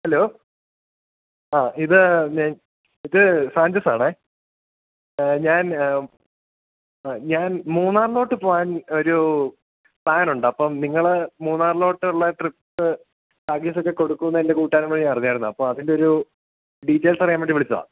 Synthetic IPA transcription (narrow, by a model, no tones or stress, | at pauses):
hɐlo̞ː | aːʔiðɨɲaːn | iðɨsaːɲd͡ʑɐsaːɳɨ | ɲaːn | ɲaːnmuːnːaːrlo̞ːʈːɨpoːjaːno̞ɾu | pɭaːnuɳɖɨɐpːɐmniŋːɐɭmuːnːaːrlo̞ːʈːɨuɭːɐʈripsɨ | ʈaːɡisokːeko̞ɽukːunːɐende̞kuːʈːaːnumːoɭɲaːnɐrɐiɲːjaːjɾunːuɐpːoːmɐðindeo̞ɾu | ɖiːtːeːlsɐrijaːmpeɳɖiʋiɭit͡ɕːɐða̰ː